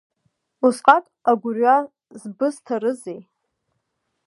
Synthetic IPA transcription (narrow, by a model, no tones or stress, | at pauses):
usqʼatʼaɡʷʊrɥa | zbɨstʰaɾɨzej